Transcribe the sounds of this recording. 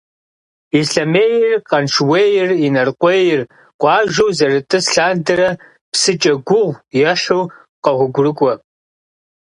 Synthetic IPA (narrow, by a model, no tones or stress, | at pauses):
iɬɐmeːjɪrqʼɐnʂʰweːjɪrinɐrqʷʼejɪr | qʷʼɑːʒɐwzɐrɨtʼɨsɬaːndɐɾɐ | psɨt͡ʃʼɐɡʷʊʁʷjɛʃow | qɐʁʷʊɡʷʊrɨkʷʼɔ